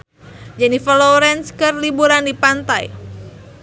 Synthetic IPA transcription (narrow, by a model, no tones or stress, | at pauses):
d͡ʒanifɔlɔɾɛnskərlibuɾandipant̪aj